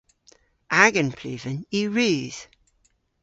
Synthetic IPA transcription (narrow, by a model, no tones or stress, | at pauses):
ʔaɡə̃npʰl̥ʉ̰ːvə̃njiːɹʉːz̥